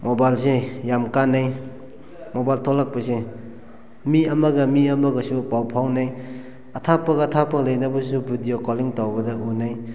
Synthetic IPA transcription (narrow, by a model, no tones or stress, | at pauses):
mobajlsejamkanːaj | mobajltʰolak̚pɐse | miɐmɐɡɐmiɐmɐɡɐsupawpʰawnaj | ɐtʰapːɐɡɐːtʰapːɐlajnɐbɐsubudijokɔliŋtawbɐdɐunaj